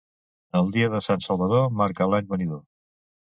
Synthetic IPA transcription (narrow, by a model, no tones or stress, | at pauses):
əlˠd̪iəðəsansəlˠβəðomaɾkəlaɲβəniðo